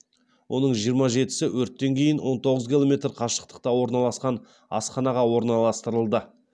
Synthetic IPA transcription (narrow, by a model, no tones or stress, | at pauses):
wʔo̞nəɴʒijəɾmɑʒe̞t̪ɪ̥sɪwɵɾt̪ːe̞ŋkʲʰe̞jɪnwo̞nt̪o̞ʁəzkʲilˠo̞mʲe̞t̪ɾqʰɑʃə̥q̚t̪ə̥q̚t̪ɑwo̞ɾnɑlˠɑsqɑn | ɑ̰sχɑnɑʁɑwo̞ɾnɑlˠɑst̪əɾəlˠd̪ə